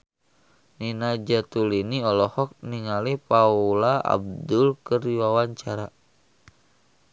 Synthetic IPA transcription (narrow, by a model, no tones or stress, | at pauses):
ninad͡ʒat̪uliniɔlɔhɔk̚niŋalipaulaa̰b̚dulkɨriwawaɲt͡ʃaɾa